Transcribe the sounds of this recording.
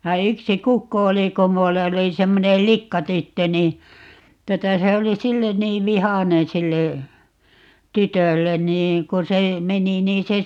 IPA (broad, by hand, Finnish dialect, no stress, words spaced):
jɑ yksi kukːo oli ko mulː oli semːonel likːɑtytːø ni tuotɑ se oli silːen niːʋ ʋihɑnen silːe tytølːen niː ko se meni niːn̞ se